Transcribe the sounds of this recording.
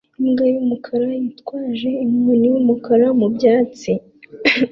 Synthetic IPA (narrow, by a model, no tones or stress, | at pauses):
imɡajumukʰaɾajitkwaːʒe̞imɲunijumukaɾamubjaːt͡si